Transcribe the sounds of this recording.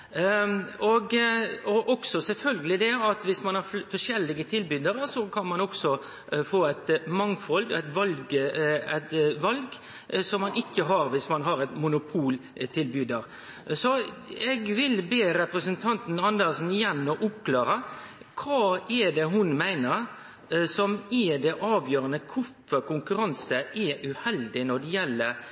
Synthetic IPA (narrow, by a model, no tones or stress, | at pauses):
ɔɡɔʔɔksɔsɛlfœlɡəlɪd̪ɛɑt̪ʋɪsmɑnhɑɾfɔʂɛlːɪɡət̪ʰɪlbyːd̪əɾəsɔkʰɑnmɑnɔksɔ | foːæɪt̪mɑŋfɔlɡ̪æɪt̪ʋɑlɡəæt̪ʋɑlɡ | sɔmːɑnɪkːəɦɑɾʋɪsmɑnɦɑɾæɪt̪mʊnʊpʰuːlt̪ʰɪlbyːd̪əɾ | sɔɛɡʋɪlbeːɾɛpɾəsənt̪ʰɑnt̪n̩ɑnd̪əɾsn̩ɪjɛnːɔʔʊpklɑːɾə | kʰʋɑːɛɖ̪ɛɦʊnmæɪnəɾ | sɔmɛd̪ɛʔɑːʋjøːɾənəkʰʊfəɾkʊŋkʉɾɑnsəʔɛʔʉhɛld̪ɪnɔɖ̪ɛjɛlːə